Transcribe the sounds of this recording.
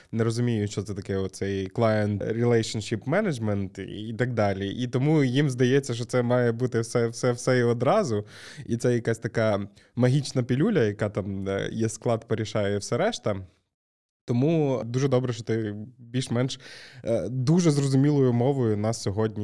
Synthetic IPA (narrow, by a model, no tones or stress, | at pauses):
neɾɔzʊmʲijʊt͡ʃɔt̪sɛt̪ɐkɛɔt̪̚sɛjklˠɑjɛnt̪ɾʲɪlˠɛjʃɐnʃipmɛnɐd͡ʒmɛnt̪it̪ɐɡ̚d̪ɑlʲiʔit̪ɔmujimzd̪ɐjet͡sʲːɐʃt͡ʃɔt̪sɛmɑjɛbut̪ɪwsɛwsɛwsɛiɔd̪ɾɑzʊit̪sɛjɐkasʲt̪ɐkɑ | mɐɦʲit͡ʃnɐpʲilʲulʲɐjɐkɑt̪ɑmjɛsklˠɑd̪peɾʲiʃɑjɛwsɛɾɛʃt̪ɐ | t̪ɔmud̪uʒɛd̪ɔbɾɛʃt͡ʃɔt̪ɪbʲilʲʃmɛnʃ | d̪uʒɛzrɔzʊmʲilˠɔjʊmɔʋʊjʊnɑsːʲɔɦɔdʲnʲi